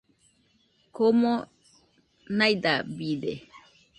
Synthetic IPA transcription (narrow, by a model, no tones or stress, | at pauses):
komo | najd̪abide